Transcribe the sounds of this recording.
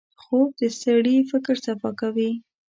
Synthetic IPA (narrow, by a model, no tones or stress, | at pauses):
xob̚d̪əst̪aɽifɪkɾsafɑkawi